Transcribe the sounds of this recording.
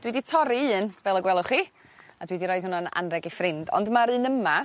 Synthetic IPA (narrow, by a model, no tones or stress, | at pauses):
d̥widitʰɔɾiɨːnvɛlˠəɡwɛlˠʊχiː | adwidiɾɔːjd̥hʊnana̰nrɛɡifrɪndɔ̰ndmaɾɨnəma